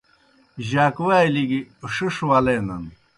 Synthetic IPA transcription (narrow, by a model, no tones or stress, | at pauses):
ʑaːkwaːjliɡiʂuʂwalenɐ̰n